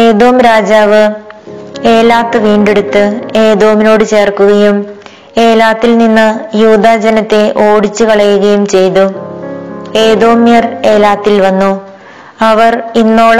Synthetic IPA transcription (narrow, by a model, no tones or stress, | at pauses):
eːðo̞ːmɾaːd͡ʑaːʋɨ | e̞ːlaːt̪ːɨʋiːɳɖe̞ɽut̪ːɨe̞ːðo̞ːmino̞ːɽɨt͡ɕe̞ːrkuɣɐjum | e̞ːlaːt̪ːilninːɨjuːd̪ʱad͡ʑɐnɐt̪ːe̞ʔo̞ːɽit͡ɕːukɐɭɐjuɣɐjumt͡ɕe̞jt̪u | e̞ːd̪o̞ːmjɐre̞ːlaːt̪ːilʋɐnːu | ɐʋɐrinːo̞ːɭ